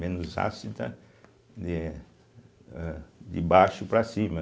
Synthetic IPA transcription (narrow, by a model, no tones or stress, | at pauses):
mẽnʊza̰sit̪ɐ | d̪ɪ | d̪ɪbaʃʊpɾɐsĩmɐ